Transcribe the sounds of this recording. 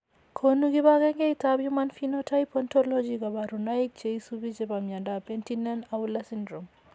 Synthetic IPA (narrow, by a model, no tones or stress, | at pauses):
kʰonuɡiβaɡɛŋɡɛitabjumanfinotʰajpɔntɔlɔd͡ʒiɡabaɾunaik̚t͡ʃeisubit͡ʃɛbamjadapentinanaulasindɾɔm